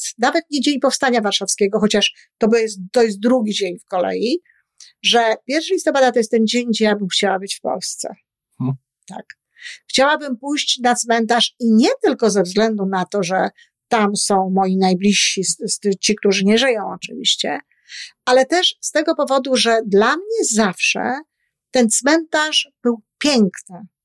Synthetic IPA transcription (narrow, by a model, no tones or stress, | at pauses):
navɛt̪̚ɲɛd͡ʑeɲpɔfst̪aɲavaɾʂafskʲeɡɔxɔt͡ɕaʂ | t̪ɔbjɛst̪t̪ːɔjɛst̪d̪ɾuɡʲid͡ʑeɲfkɔlɛ̰ji | ʐɛpʲjɛɾfʂalist̪ɔpad̪at̪ɔjɛst̪ːɛnd͡ʑeɲɡd͡ʑɛjabɘmxt͡ɕawabɘt͡ɕfpɔ̰lst̪sɛ̰ | t̪a̰k | xt͡ɕawabɘmpujɕt͡ɕnat̪smɛnt̪aʂiɲɛt̪ɘlkɔzɛvzɡlɛnd̪unat̪ɔʐɛ | t̪amsɔ̃w̃mɔjinajblʲiɕɕisst͡ɕik̚t̪uʐɘɲɛʐɘjɔ̃w̃ɔt͡ʂɘ̰vʲḭɕt͡ɕɛ̰ | alɛt̪ɛʂst̪ɛɡɔpɔvɔd̪uʐɛd̪lamɲɛzafʂɛ̰ | t̪ɛnt̪smɛnt̪aʐb̥ɘwpʲjɛŋknɘ